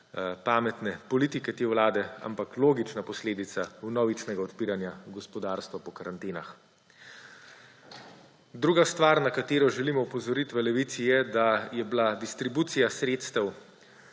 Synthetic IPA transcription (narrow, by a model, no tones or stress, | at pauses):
paːmɛt̪nɛpɔlit̪ikɛt̪eːwlaːd̪ɛa̰mpakloːɡit͡ʃnapɔsleːd̪it̪saunɔʋit͡ʃnɛɡaɔt̪piːɾanjaɡɔspɔd̪aːɾst̪ʋapɔkaɾant̪eːnax | d̪ɾuːɡast̪ʋaːɾnakat̪eːɾɔʒɛlimɔupɔzɔɾit̪ʋɛlɛʋit̪sijɛd̪ajɛblad̪ist̪ɾibuːt̪sijasɾeːt̪st̪ɛw